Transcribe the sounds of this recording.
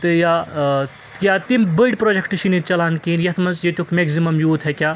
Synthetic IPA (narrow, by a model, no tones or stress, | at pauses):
t̪ɨja | kjat̪imbəɖpɾoːd͡ʒekʈɨʃinit̪̚t͡ʃɐlaːnkiːnjɐt̪ʰmɐnsjet̪ʲjukʰmeɡzimɐmjuːt̪ʰekʲjaː